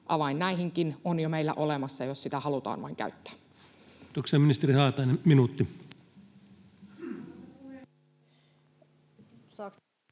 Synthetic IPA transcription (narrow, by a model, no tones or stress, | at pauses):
ʔɑʋɑinːæiɦiŋkinonjomeilːæ̰ʔolemɑsːɑjossit̪æhɑlut̪ɑ̰ːnʋɑ̰iŋkæ̰yt̪ːæ̥ː | t̪okseɑːminist̪erihɑːt̪ɑineminuːt̪ːi